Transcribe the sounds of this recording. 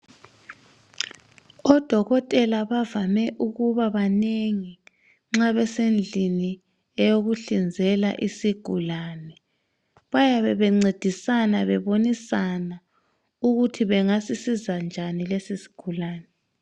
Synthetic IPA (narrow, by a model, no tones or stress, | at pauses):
ɔd̥ʱɔɣɔtʼɛlaβavamɛʔuɣuβaβaneŋi | ŋ͡ǁaβɛsend͡ɮʱini | ɛjoɣuɬind͡zʱɛla̰ʔisiɡ̥ʱulaːnɛ | βajaβɛβɛŋ͡ǀed̥ʱisanaβɛβonisana | uɣutʰiβɛŋasisizand͡ʒʱanilesisi̥ɡ̥ʱulaːnɛ